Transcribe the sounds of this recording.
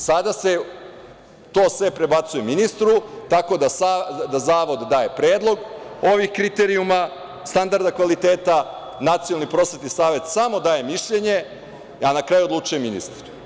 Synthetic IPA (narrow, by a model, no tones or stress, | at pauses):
sad̪ase̞ | t̪o̞ːsʋe̞pɾe̞bat̪sujeminist̪ɾut̪ako̞d̪asad̪azaːʋo̞d̪d̪aːje̞pɾeːd̪lˠo̞ɡo̞ʋixkɾit̪eɾiuma | st̪and̪aɾd̪akʋalit̪e̞ːt̪a | nat̪siolˠnipɾo̞sʋe̞t̪nisaːʋe̞t̪samo̞d̪aːje̞miʃʎe̞ɲe̞ | anakɾaːjuod̪luːt͡ʃujeminḭst̪ɾ